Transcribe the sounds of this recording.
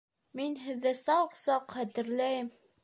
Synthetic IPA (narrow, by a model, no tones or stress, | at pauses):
minɦɘ̆ðːæsɑqsɑqχæt̪ɘ̆ɾlæjɘm